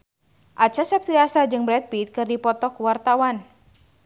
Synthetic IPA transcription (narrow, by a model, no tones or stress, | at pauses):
ʔat͡ʃasɛp̚t̪ɾiasad͡ʒɨŋbɾɛt̪̚bit̪̚kɨrdipɔt̪ɔkuwart̪awan